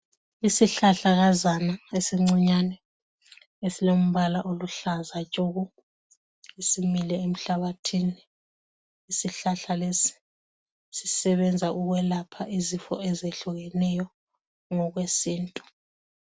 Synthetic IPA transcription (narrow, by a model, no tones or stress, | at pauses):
isiɬaɬaɣazanaesiŋ͡ǀiɲanɛ | esilom̩βalaʔoluɬazat͡ʃʼoɣu | isimilɛem̩ɬaβatʰiniː | siɬaɬalesi̥ | sisɛβɛnd͡zʱauɣwɛlapʰaʔizifɔɛzeɬuɣɛnɛjɔ | ŋɔɣwesiːntʼu